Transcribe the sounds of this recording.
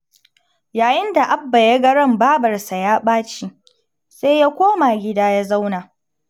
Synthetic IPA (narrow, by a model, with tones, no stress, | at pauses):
jaː˨jɪ˦nda˨ʔa˦bːa˨jɐ˦ɡɐ˦ɽɐ˦mbaː˦bɐ˨rsa˨jaː˦ɓaː˦t͡ʃiː˦ | seː˦jaː˦kʷoː˦ma˨ɡʲɪ˦daː˦ja˦za˦wnaː˨